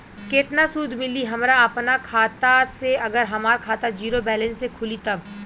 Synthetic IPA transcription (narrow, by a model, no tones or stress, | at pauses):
keːt̪nasuːd̪ʱmɪliɦɐmɾaɐpnakʰaːt̪aseɐɡəɾɦɐmaːɾkʰaːt̪ad͡ʒiːɾobɛːlə̃nsːekʰʊlit̪ɐb